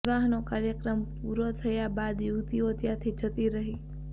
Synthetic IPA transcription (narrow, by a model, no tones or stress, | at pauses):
ʋaɦnokaɾjəkɾəmpuɾot̪ʰəjabad̪juɡt̪iot̪jat̪ʰid͡ʒʰət̪iɾəɦi